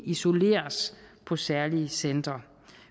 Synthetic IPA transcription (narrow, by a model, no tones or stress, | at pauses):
iso̝le̝̰ːɐspʰɒ̽sæɐliəsend̥ʁɐ